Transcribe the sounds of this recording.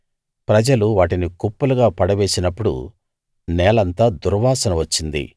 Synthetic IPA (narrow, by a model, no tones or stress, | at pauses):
pɾɐd͡ʒɐluʋaːʈinikupːuluɡaːpɐɽɐʋe̞ːsinɐpːuɽṵ | nɛːlɐnt̪aːd̪uɾʋaːsɐnɐʋɐt͡ʃːind̪ḭ